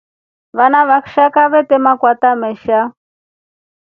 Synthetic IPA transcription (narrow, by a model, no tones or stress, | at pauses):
βanaβakʃakaβɛt̪ɛmakwat̪amɛʃa